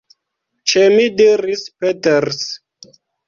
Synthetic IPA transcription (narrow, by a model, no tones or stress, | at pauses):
t͡ʃemidiɾispeteɾs